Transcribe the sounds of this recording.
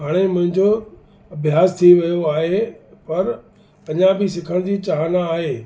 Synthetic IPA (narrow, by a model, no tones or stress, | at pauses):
aːɽ̃emʊ̃ɦɪ̃ɲd͡ʑo | ɐbʱjaːst̪ʰiʋɐjoaːɦepɐɾ | ɐɲãbɪsɪkʰəɽ̃d͡ʑiːt͡ɕaːɦnaːɦeː